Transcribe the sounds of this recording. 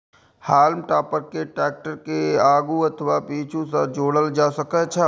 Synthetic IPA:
haːlmʈaːpəɾkeʈɛːk̚ʈəɾkeaːɡuɐt̪ʰəʋapiːt͡ʃʰũsəd͡ʒoːɽəld͡ʒaːsəkɛt͡ʃʰɛ

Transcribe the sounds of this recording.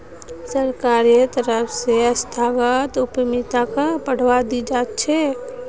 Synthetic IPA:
səɾkaːɾjet̪əɾəfʰseəst̪ʰaːʋət̪ʊpəmɪt̪akapəɽ̤ʋad̪id͡ʒaːt̪̚t͡ʃʰe

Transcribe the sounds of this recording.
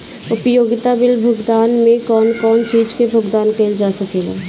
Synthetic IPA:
ʊpjoːɡɪt̪abɪlbʱʊɡd̪aːnmẽkɔːnkɔːnt͡ʃiːd͡ʒkebʱʊɡd̪aːnkeːld͡ʒaːsɐkeːɡaː

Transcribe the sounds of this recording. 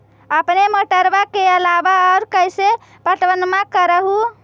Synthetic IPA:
əpneməʈəɾbakeəlabaɔʊɾkəjse | pəʈʋənmakəɾəɦu

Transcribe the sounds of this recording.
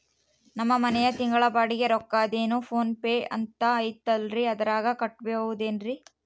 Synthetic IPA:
nɐmːɐmɐnɛjɐt̪iŋɡɐɭɐbaːɽiɡe̞ɾɔkːaːd̪e̞ːnupʰo̞ːnpeːɐ̰nt̪ɐːjt̪ɐlɾiɐd̪ɐɾaːɡɐkɐʈːbeʋud̪e̞ːnɾi

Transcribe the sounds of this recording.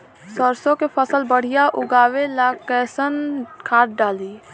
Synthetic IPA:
səɾsõkepʰəsəlbəɽ̤ɪjaʔʊɡaːwelaːkɛːsənkʰaːʈ̚ɖaːliː

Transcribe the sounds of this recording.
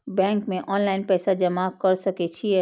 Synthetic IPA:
bɛ̃ŋkmẽʔɔnlaɪnpɛːsad͡ʒəmakəɾsəkɛt͡ʃʰiɛ

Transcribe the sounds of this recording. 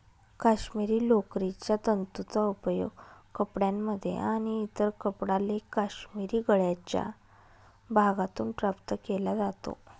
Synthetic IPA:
kaɕmiɾiːlokɾit͡ɕjat̪ənt̪ut͡saupəjo̰ɡkəpɽjamːəd̪ʱːjḛʔaɽ̃iːt̪əɾkəpɽalekaɕmiɾiːɡəɭjat͡ɕja̰ | bʱaɡat̪uːnʈɾapt̪əkelad͡zat̪o̰

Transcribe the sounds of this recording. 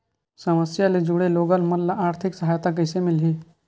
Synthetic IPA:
səməsjaled͡ʒʊɽeloːɡəlmɐnlaaːɾt̪ʰɪksəɦaːjt̪ak̬əɪsemɪlɦiː

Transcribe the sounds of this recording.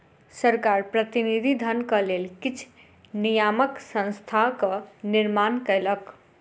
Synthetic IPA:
səɾkaɾpɾət̪inid̪ʱid̪ʱənkəlelkit͡ʃʰ | nijaməksə̃nst̪ʰakəniɾmankəɪlək

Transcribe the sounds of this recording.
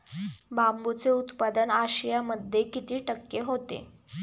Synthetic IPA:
bambut͡seut̪pad̪ənaɕijaməd̪ʱːjekit̪iːʈəkːeɦot̪ḛ

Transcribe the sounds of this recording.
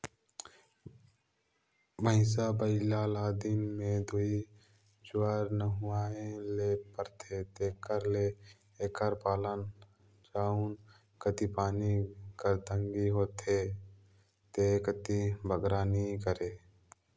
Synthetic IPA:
məɪs̬abəɪlaːlaːd̪immẽd̪oi | d͡ʒʊaɾnəɦʊaːẽlepəɾt̪ʰet̪eːkəɾle | eːkəɾpaːlən | d͡ʒaːun | kət̪ipaːnikəɾt̪əŋɡiɦoːt̪ʰe | t̪ekət̪ibʱəɡɾaːnikəɾeː

